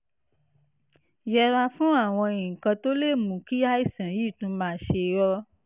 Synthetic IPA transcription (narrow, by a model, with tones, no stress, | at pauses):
jɛ˧ɾa˧fũ˦a˦˨w̃ɔ̃˧ĩ˨kã˧to˦le˦˨mũ˨ki˦a˦i˦˨sã˨ji˦˨tũ˦mãː˦˨ʃe˧jɔ˦